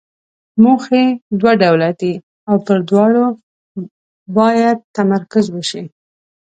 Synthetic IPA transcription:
muxed̪waɖawlad̪i | awpəɾd̪wɑɽo | bɑjad̪̚t̪amaɾkʊzwəʃi

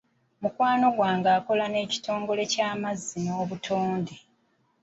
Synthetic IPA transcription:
mukwaːno̞ɡwaːŋɡaːko̞lane̞ːci̥to̞ːŋɡo̞le̞caːmazːino̞ːβutʰoːnde

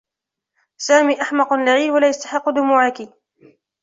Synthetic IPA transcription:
saːmiːʔaħmɑqʊnlaʕiːwalaːjast̪ḁħɪqːʊd̪ʊmuːʕaki

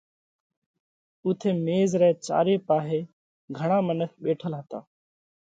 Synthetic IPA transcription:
ʊt̪ʰeːmeːzɾɛːt͡ʃa̰ːɾeːpaːɦeː | ɡʱəɳ̃ãːmənəkʰɓeːʈʰəlɦət̪a̰ː

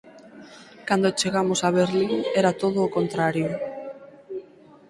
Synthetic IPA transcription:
kand̪ot͡ʃeɣamosaβ̞eɾliŋɛɾat̪oðoːkont̪ɾaɾjo

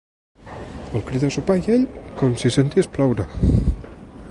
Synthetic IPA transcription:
əlˠkɾiðasupajeʎkonsisent̪iesplawɾa

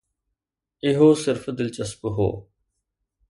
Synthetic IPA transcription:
ɪɦoːsɪɾfd̪ɪlt͡ʃəspɦo̰ː

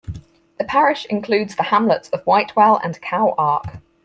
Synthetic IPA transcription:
ðəpʰaɹɪʃɪ̰̃nkʰl̥ʉːdz̥ðəhãmlətsəvwaɪʔwɛlə̰̃nkʰaʊʔɑˑk

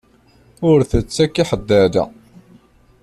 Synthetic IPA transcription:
ʊɾθət͡sːækːiħəd̪ːæd̪a̰

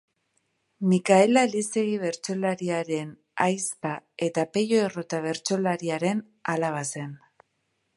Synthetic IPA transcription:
mikaelalise̞ɣiβe̞ɾt͡so̞laɾiaɾe̞n | ajspae̞t̪ape̞ʎo̞erot̪aβ̞e̞ɾt͡so̞laɾiaɾe̞n | alaβ̞ase̞n

